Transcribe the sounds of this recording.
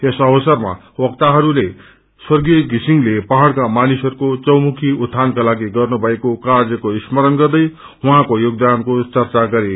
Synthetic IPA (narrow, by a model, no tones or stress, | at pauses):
esʌbʌsʌrma̰ | wʌkt̪aɦʌɾule | swʌrɡijʌɡisiŋlepaɦaɽkamanisʌɾukot͡sʌwmukʰiut̪ʰːankalaɡiɡʌrnubʱʌekokarjʌkoismʌɾʌnɡʌrd̪ʌj | wuɦãkojoɡd̪ankot͡sʌrt͡saɡʌɾe